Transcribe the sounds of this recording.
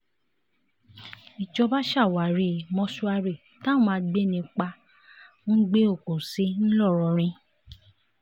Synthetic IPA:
i˨d͡ʒɔ˧ba˦ʃa˦˨wa˨ɾi˨mɔ̃˧˦su˧a˧ɾe˦˨ | ta˦mã˧ɡ͡be˦˨nĩ˧k͡pã˧˦ | ɡ͡be˦o˦˨ko˨se˨˦n̩˦lɔ˦˨ɾɔ˧˦ɾ̃ĩ˧

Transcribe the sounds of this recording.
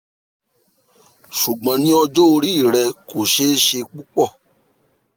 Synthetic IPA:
ʃu˨ɡ͡bã˨nĩ˦ɔ˧d͡ʒo˦˧ɾi˦˨ɾɛ˧ko˨ʃe˦ʃe˧k͡pu˦k͡pɔ˦˨

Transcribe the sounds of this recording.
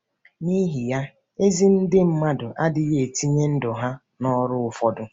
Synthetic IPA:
ni˦ɦi˨ja˦ | e˦zi˦n̩˦dɪ˦m̩˦ma˦dʊ˨ʔa˦dɪ˨ɣe˨e˨ti˦ɲe˦n̩˦dʊ˨ɦa˦ | nɔ˦ɾʊ˦ʊ˨fɔ˦dʊ˦

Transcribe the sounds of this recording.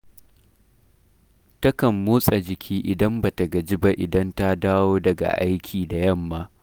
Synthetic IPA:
tɐ˦kɐ˨mːoː˦sʼa˨d͡ʒɪ˨kʲʰiː˦ʔɪ˨dɐ˦mba˨ta˨ɡɐ˨d͡ʒɪ˦ba˦ʔɪ˨dɐ˦nta˦daː˦woː˦dɐ˨ɡa̰˨ʔa̰˦jkʲʰiː˨da˨jɐ˦mːa˦

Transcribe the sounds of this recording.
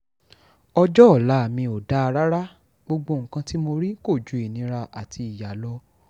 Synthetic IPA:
ɔ˧d͡ʒɔ˦ɔ˦˨la˨˦˨mĩ˧o˨da˦a˧ɾa˦ɾa˦ | ɡ͡bo˧ɡ͡bo˧˨ŋ̩˨kã˧ti˦mo˧ɾi˦ko˦˨d͡ʒu˨˦i˨nĩ˧˦ɾa˧ʔa˨tʰi˧i˨ja˨lɔ˧

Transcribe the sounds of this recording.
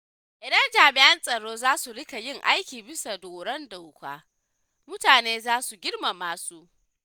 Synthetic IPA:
ʔɪ˨dɐ˦nd͡ʒaː˨mɪ˨ʔɐ˦nsʼɐ˨ɽoː˦zaː˦su˨ɽɪ˦ka˨jɪ˦˨ŋʔa˦jkʲiː˨bɪ˦sa˨doː˨ɽɐ˦nda˨wkʷa̰ː˦ | mʊ˦taː˨neː˦zaː˦su˨ɡʲɪ˦ɽma˨maː˨su˦ʔ

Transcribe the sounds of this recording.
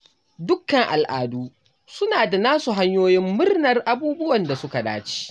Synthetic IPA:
dʊ˦kːɐ˨ŋʔa˨lʔa̰ː˨duː˦ | sʊ˦naː˨da˨naː˦su˨ɦa˦ɲjoː˦jɪ˦mːʊ˦rnɐ˨rʔa˦buː˦bʊ˦wɐ˨nda˨sʊ˦ka˨daː˦t͡ʃi̥ː˦

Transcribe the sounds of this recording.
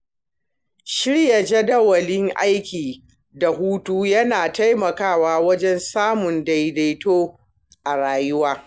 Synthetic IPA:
ʃɪ˦ɽjɐ˨d͡ʒɐ˦dɐ˦wɐ˨lɪ˦ŋʔa̰˦jkʲiː˨ | da˨ɦuː˦tuː˦jɐ˦naː˨ta˦jmɐ˨kaː˦˨waː˦wɐ˦d͡ʒɛ˦nsaː˦mʊ˨nda˨jda˨jtoː˦ | ʔa˨ɾaː˨jʊ˦waː˦

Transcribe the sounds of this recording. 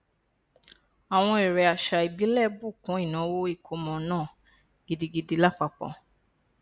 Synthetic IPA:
a˨w̃ɔ̃˧e˨ɾɛ˨a˨ʃa˧i˨bi˨˦lɛ˦˨bu˦˨kũ˨˦i˦˨nã˨˦wo˦i˦˨kʰo˧˦mɔ̃˨nãː˦˨ | ɡi˧di˧ɡi˧di˨˧la˦˨k͡pa˧˨k͡pɔ̰̃˨

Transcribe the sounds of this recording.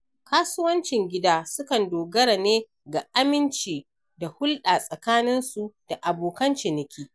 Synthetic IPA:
kaː˦sʊ˦wɐ˦nt͡ʃɪ˨ŋɡʲɪ˦daː˦sʊ˦kɐ˨ndoː˨ɡɐ˦ɽa˨neː˦ | ɡa˨ʔa˦mɪ˦nt͡ʃiː˨ | da˨hʊ˦lɗaː˨sʼɐ˨kaː˦nɪ˦nsu˨d̥a˨ʔa˨boː˨kɐ˦nt͡ʃɪ˨nɪ˨kʲiː˦

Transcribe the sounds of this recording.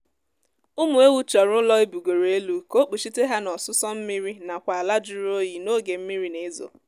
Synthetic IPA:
ʊ˦mu˨e˦wu˦t͡ʃɔ˨ɾʊ˦lɔ˦e˦bu˨ɡo˨ɾe˨e˦lu˨ko˦k͡pi˨ʃi˦te˦ɦa˦nɔ˨sʊ˦sɔ˦m̩˦mi˦ɾi˦na˨kʷa˨a˨la˦d͡ʒʊ˦ɾo˦ji˨no˦ɡe˨m̩˦mi˦ɾi˦ne˨˦zo̰˨

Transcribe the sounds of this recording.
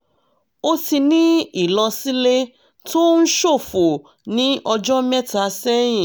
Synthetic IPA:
o˦ti˧nĩ˦i˦˨lɔ˧si˦le˦ | to˦n̩˦ʃo˦˨fo˨ | nĩ˨˦ʔɔ˧d͡ʒɔ˦mɛ˦ta˧˦sɛ˦j̃ĩ˨

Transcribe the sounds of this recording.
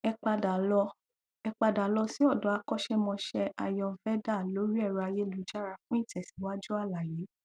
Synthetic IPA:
ɛ˧k͡pa˧da˨lɔ˧ | ɛ˧k͡pa˧da˨lɔ˧si˦ɔ˦˨dɔ˨˦a˧kɔ˦˨ʃɛ˦mɔ̃˧ʃɛ˧ʔa˧jɔ̃˧fɛ˦da˦˨lo˨˦ɾi˦ɛ˦˨ɾa˧je˦˨lu˨˦d͡ʒa˦˨ɾa˨fũ˦i˦˨tɛ˨si˨˦wa˦d͡ʒu˦a˦˨la˨je˨˦

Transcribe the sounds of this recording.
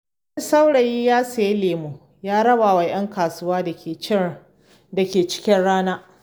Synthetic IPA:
sa˦wɽa˨ji˦jaː˦sa˨je˦leː˨mu˨ | jaː˦ɽɐ˦baː˨wa˨j̰ɐ˦ŋkaː˨sʊ˦waː˦da˨kʲeː˨˦ | da˨kʲeː˨t͡ʃɪ̥˦kʲɪ˦nɽaː˦naː˦

